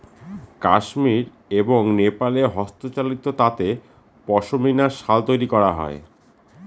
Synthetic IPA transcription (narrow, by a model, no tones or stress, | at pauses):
kaʃmiɾ | eboŋnepaleɦɔst̪ot͡ɕalit̪ot̪at̪e | pɔʃominaɾʃalt̪ojɾikɔɾaɦɔ̰e